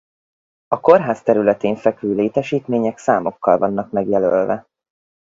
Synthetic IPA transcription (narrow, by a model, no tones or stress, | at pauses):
ɒko̞rɦaːst̪ɛɾylɛt̪eːɱfɛkvøːleːt̪ɛʃiːt̪meːɲɛksaːmo̞kːɒlvɒnːɒkmɛɡjɛlølvɛ